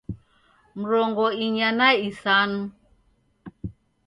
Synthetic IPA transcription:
m̩ɾɔŋɡɔiɲanaisanu

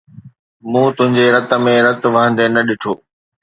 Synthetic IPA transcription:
mũːt̪ʊ̃ɦɪ̃ɲd͡ʑeɾɐt̪ə̆mẽɾɐt̪ʋɐɦə̃nd̪enɐɗɪʈʰoː

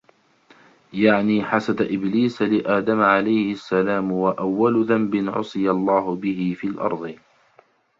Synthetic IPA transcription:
jaʕniːħasad̪ʔɪbliːslɪʔaːd̪amʕalajhɪsːalaːmwaʔawːalʊðambɪnʕʊ̰sˤɨjalˤːɑːɦʊbɪhɪfiːlʔɑ̰ɾˤd̪ˤɨ

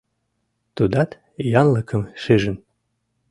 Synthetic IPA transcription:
t̪ud̪ɑt̪ | jɑnləkʰə̆mʃeʒɘ̆n

